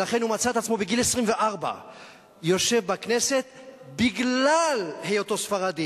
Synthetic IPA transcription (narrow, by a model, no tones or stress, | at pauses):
laχe̞nhumat͡sat̪at͡smo̞beɡilesʁimve̞ʔaʁba̰ | jo̞ʃe̞vbakne̞se̞t̪̚ | biɡlalhejot̪o̞sfaʁad̪i